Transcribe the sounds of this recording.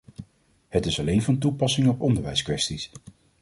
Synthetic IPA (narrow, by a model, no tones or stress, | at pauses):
hətɪsɑlejnvɑntupɑsɪŋɔpɔndəɹʋɛjskʋɛstis